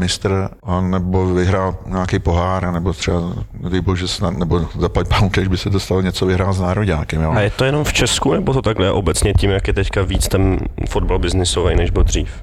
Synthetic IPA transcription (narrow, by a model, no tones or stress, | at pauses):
mɪst̪ɾ̩anɛbovɪɦɾaːlɲaːkejpoɦaːɾanɛbot̪r̥ɛbavɪboʒɛsnat̪nɛbozapacpamukɛʒbɪsɛt̪̬ost̪aloɲɛt͡sovɪɦɾaːlznaːɾoɟaːkɛmjaajɛt̪o̞jɛno̞mft͡ʃɛskunɛbot̪ot̪aɡlɛʔo̞bɛt͡sɲɛcimjakjɛt̪ɛckaviːt͡st̪ɛnfod̪̚balbɪznɪsovɛjnɛʒbɪld̪r̝iːf